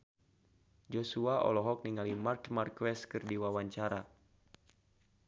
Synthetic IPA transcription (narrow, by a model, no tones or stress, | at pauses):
d͡ʒosuaɔ̰lɔɦɔk̚niŋalimarkmarkwɛskɨrdiwawaɲt͡ʃaɾa